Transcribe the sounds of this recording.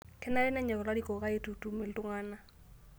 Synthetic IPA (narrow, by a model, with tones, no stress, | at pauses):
kʰɛ˦na˦ɾɛ˦nɛ˦ɲɛ˨ɣɔ˨la˦ɾi˦kɔ˨ka˦e˦tu˨tu˨mi˨ltu˦ŋa˦na˦